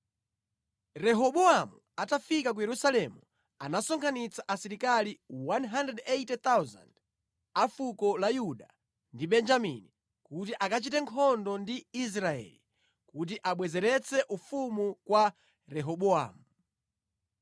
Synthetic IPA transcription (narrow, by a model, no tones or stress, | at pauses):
ɾɛɦɔɓɔamu | atafikak̬ujɛɾusalɛmu | anasɔŋkʰanit͡saʔasiɾikaliwanɦandrɛdɛtɛt̪awza̰nd | afukɔlajuɗa | ndiɓɛnd͡ʒamḭni | kut̬iʔakat͡ʃitɛŋkʰɔndɔndiis̬ɾaɛ̰li | kut̬iʔaɓwɛzɛɾɛt͡sʰɛʔufumukwa | ɾɛɦɔɓɔa̰ːmu